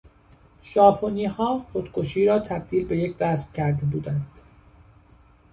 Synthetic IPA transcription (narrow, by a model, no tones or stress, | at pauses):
ʒɒːpʰoniːhɒːχo̞d̪̥kʰo̞ʃiːɾɒːt̪ʰæb̚d̪iːlbe̞jecʰɾæsb̥cʰæɾd̪ebuːd̪ænd̪̥